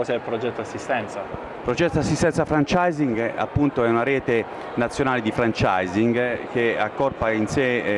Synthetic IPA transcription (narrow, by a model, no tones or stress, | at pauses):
ɔsɛlpɾod͡ʒɛt̪ːoasːist̪ɛnt̪sa | pɾod͡ʒɛt̪ːoasːist̪ɛnt̪safɾant͡ʃajziŋɡa̰pːunt̪oɛunaɾɛːt̪e | nat̪sːjonaːled̪ifɾant͡ʃajziŋɡk̟ea̰kːɔrpainse